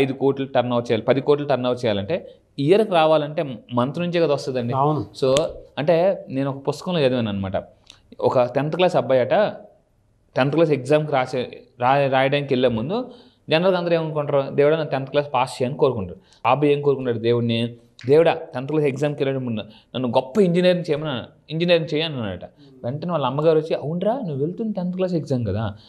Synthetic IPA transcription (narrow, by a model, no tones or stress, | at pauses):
ɐjd̪ukoːʈluʈɐɾnaːt͡ʃɛjaːlipɐd̪ikoːʈ̬luʈ̪ɐɾnaːʋɾt͡ʃɛːjaːlɐɳʈe̞ː | ijɐɾɐkɾaːʋaːlɐɳʈe̞ːmɐnt̪nuɲt͡ʃeɡɐd̪ɐʋɐst̪ɐd̪ɐɳɖisoːɐɳʈe̞ːne̞ːnuɔkɐpust̪ɐ̥kɐmloed̪mɐnːanːɐmaːʈɐ̰ | ɔ̰kɐt̪ɛnt̪ɐklaːsɐbːɐjɐʈɐ | t̪ɛnt̪ɐklaːs̬ekzaːmkiɾaːseɾaːɾaːjɐɖɐjnkelːeːmːund̪u | d͡ʒɛnɐɾɐlkɐnd̪ɐɾeːmɐnkoɳʈɾud̪eːʋuɽaːnɐnt̪ɛnɐt̪ɐklaːspaːst͡ʃɛjaːniko̞ːɾukuɳʈaːɾu | aːbɐjeːniko̞ːɾukuɳʈːaːɽud̪eːwuɽni | d̪eːʋuɽaːt̪ɛnt̪ɐklaːsekzaːmkelːeɽemund̪unɐnːuɡɔpːɐiɲd͡ʒiniɐɾiŋt͡ʃɛːjɐmɐnːan̰ | iɲd͡ʒiniɐːɾiŋt͡ʃɛːjaːnunːaːɾɐ̰ʈɐ | ʋeɳʈɐneʋaːlːɐɐmːɐɡaːɾʋot͡ʃːiɐwuɳʈɾaːnuʋʋeɭt̪unɐt̪ɛnt̪ɐklaːs̬ekzaːmɡɐd̪aː